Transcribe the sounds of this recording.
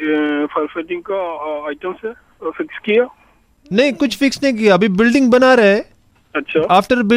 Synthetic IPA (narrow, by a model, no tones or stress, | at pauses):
fɐɾfaɪʈɪ̃ŋɡ̚kaaːɪʈəmse | fɪkskijaː | nɐɦĩkʊt͡ʃʰfɪksnɐɦĩk̬ijaɐbʱibɪlɖɪ̃ŋɡ̚bɐnaɾɐɦeː | ɐtːʃʰaːaːfʈəɾbɪ